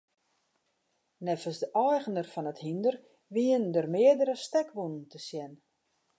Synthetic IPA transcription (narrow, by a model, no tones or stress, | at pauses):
nɛfəsdəʔɔjɣənərfɔnəthindər | ʋiəndərmɪədəɾəstɛkʋunəntəsjɛn